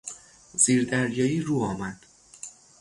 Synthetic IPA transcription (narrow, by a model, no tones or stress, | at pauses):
z̥iːɾd̪æɾjɒːjiːɾuːɒːmæd̪̥